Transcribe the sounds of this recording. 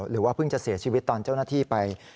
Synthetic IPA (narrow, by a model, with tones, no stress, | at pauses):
ɾɯː˩˦waː˥˩pʰɯ˥˩ŋt͡ɕa˨˩ʔsi˨˩˦t͡ɕʰiː˧wi˦˥t̪ːɔː˧nt͡ɕa˥˩wnaː˥˩t̪ʰiː˥˩pa˧j